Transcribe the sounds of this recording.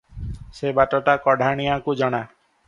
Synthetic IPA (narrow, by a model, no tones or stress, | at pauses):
sebaʈɔʈakɔɖʱaɽ̃ijakud͡ʒɔɽ̃a